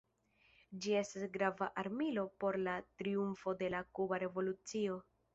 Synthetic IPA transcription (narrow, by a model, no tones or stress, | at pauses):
d͡ʒie̞stasɡɾavaʔaɾmilo̞po̞ɾlatɾiuɱfo̞de̞lakubaɾe̞vo̞lut͡sio̞